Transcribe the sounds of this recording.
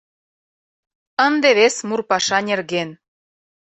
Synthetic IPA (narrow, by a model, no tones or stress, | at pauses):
ənd̪eβesmurpɑʃɑnʲerɣen